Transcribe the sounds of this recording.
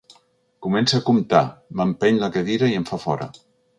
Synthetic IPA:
kumɛnsaːkumt̪a̰məmpɛɲləkeðiɾəiəɱfafɔɾə̰

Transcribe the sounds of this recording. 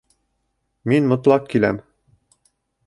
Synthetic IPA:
minmɤ̆t̪lˠɑq̚kilæm

